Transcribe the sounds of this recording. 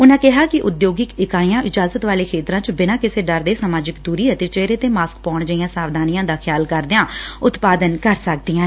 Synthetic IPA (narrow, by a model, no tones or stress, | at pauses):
ʊnãːkɪɦaːkɪʔʊd̪joːɡɪkɪkaːiãːʔɪd͡ʒaːzət̪ʋaːleːkʰeːt̪ɾãːt͡ʃbɪnãːkɪseːɖəɾd̪eːsəmaːd͡ʒɪkd̪uːɾiːɦɛːt̪eːt͡ʃeːɾeːt̪eːmaːsk̚pɔːɳd͡ʒəijãːsaːʋd̪ʱaːnijãːd̪aːkʰjaːlkəɾd̪eːãːʊt̪paːd̪ənkəɾsək̚d̪ɪjãː